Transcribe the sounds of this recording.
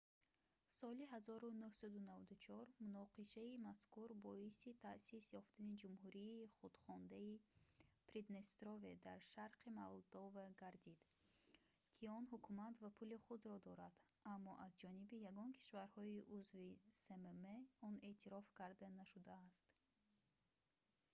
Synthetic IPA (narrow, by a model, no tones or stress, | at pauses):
sɔliɦazɔɾunuhsad̪unavad̪ut͡ʃʰɔɾmunɔqiʃaimaskuɾbɔisit̪ʰasisjɔft̪ʰanid͡ʒumhuɾiːχud̪̥χɔnd̪aipɾid̪nest̪ɾoved̪aɾʃaɾqʰimalˠd̪ɔvaɡaɾd̪id̪ | kʰiɔnɦukʰumat̪vapʰuliχud̪ɾɔd̪ɔɾad̪̥ | ʔamːɔʔazd͡ʒɔnibijaɡɔnkʰi̥ʃvaɾhɔiʔuzvisememeɔne̞ʔt̪ʰiɾɔfkʰaɾd̪anaʃud̪aːst̪